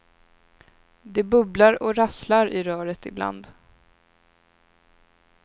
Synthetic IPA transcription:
d̪ɛbɵblaɾɔɾaslaɾɪɾœːɾət̪ɪbla̰nd̪

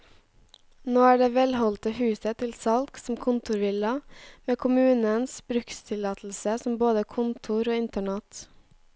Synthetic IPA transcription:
noːæːɖeːʋɛlhɔlt̪əhʉːsət̪ʰɪlsɑlksɔmkʰʊnt̪ʊɾʋɪlɑmeːkʰʊmʉːnənsbɾʉkst̪ʰɪlɑːt̪ʰl̩səsɔmboːd̪əkʰʊnt̪ʰʊɾoːɪnt̪əɳɛt̪

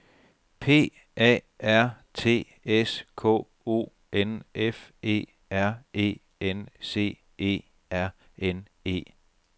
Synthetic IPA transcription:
pʰe̝̰ː | ɛ̰ː | æɐ̰ | t͡sʰe̝̰ː | eskʰɔ̰ː | o̝̰ː | enʔefe̝̰ː | æɐ̰e̝̰ː | ense̝̰ː | e̝̰ː | æɐ̰ | en | e̝̰ː

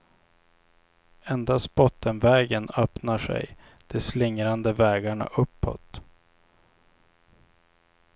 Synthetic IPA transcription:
ɛnd̪ast̪bɔt̪ːənvɛːɡənœpnaʂɛ̰j | d̪̥ɛslɪŋɾand̪əvɛːɡaɳa̰ʔɵpːɔ̰t̪

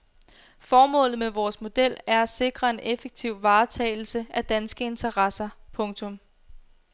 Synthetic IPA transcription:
fɒːmɔ̰̽ːlð̩ˠmeʋɒːsmo̝d̥el̰æɐæse̝ɡ̥ʁɐe̝nʔefeɡ̥̚t͡sʰiʊ̰ʋɑ̈ːt͡sʰɛ̰ɪl̩səæd̥ænsɡ̥əe̝nt͡sʰɐʁɑsɐpʰɔ̽ŋt͡sʰɔ̽m

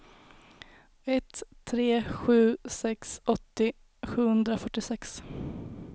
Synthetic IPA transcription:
ɛt̪ʰːɾeːɧʉ̟ːsɛksɔt̪ːɪ | ɧʉ̟ːhɵnd̪ɾafœʈːɪsɛks

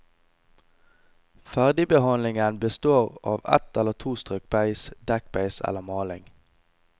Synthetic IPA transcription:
fæʁd̪ɪbəhɑnlɪŋənbəst̪oːʁɑːʋɛ̰t̪ɛləʁt̪ʰuːst̪ʁʏk̚bæɪsd̪ɛk̚bæɪsɛ̰ləmɑːlɪŋ

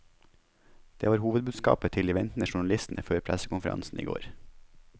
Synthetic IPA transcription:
d̪̥ḛːʋɑːɾhuːʋəd̪bʉːd̪skɑ̰ːpət̪ʰɪlɪʋɛnt̪n̩əʃʊɳɑlɪst̪n̩ʔəføːɾpʰɾæsəkʊnfəɾɑ̰nsn̩ḭːɡo̰ːɾ

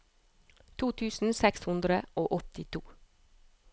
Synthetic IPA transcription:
t̪ʰuːt̪ʰʉːsn̩sɛkshʉnd̪ɾəʔoːʔɔt̪ɪt̪ʰuː

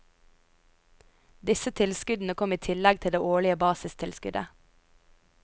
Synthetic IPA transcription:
d̪ɪsət̪ʰɪlskʉd̪n̩əkʰɔmiːt̪ʰɪlɛɡ̚t̪ʰɪld̪eːʔoːɭɪəbɑːsɪst̪ʰɪlskʉd̪ə̰

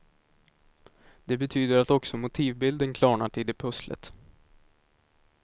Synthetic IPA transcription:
d̪̥ɛbɛt̪ʰyːd̪əɾat̪ɔksɔmʊt̪ʰiːvbɪld̪ənkʰlɑːɳaʈʰɪld̪ɛpʰɵslə̰t̪

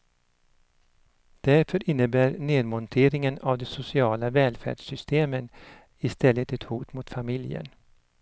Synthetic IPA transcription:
d̪̥æɾfœɾʔɪnːəbæːɾneːd̪mɔnt̪ʰeːɾɪŋənavd̪ɛsʊsɪɑːlavɛːlfæ̰ːɖʂʏst̪ʰeːmən | ɪst̪ɛlːət̪ɛt̪huːt̪mʊt̪famɪljə̰n

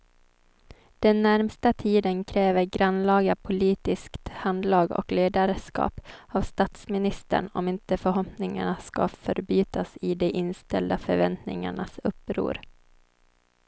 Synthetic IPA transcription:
d̪̥ɛnːæɾmst̪at̪ʰiːd̪ənkʰɾɛːvəɾɡɾanlɑːɡapʰʊliːt̪ɪskt̪hand̪lɑːɡɔ̰kleːd̪aɾskɑ̰ːpavst̪at̪smɪnɪst̪ə̰ɳɔ̰mɪnt̪əfœɾɦɔpnɪŋa̰ɳaska̰fœɾbyːt̪asɪd̪ɛʔɪnst̪ɛ̰ld̪afœɾvɛnt̪nɪ̰ŋa̰ɳasɵpːɾṵːɾ

